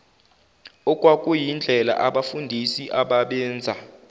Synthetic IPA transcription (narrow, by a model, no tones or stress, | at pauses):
ɔkʼwakʼujind͡ɮʱɛla̰ʔaɓafundʱisiʔaɓaɓɛːnd͡zʱa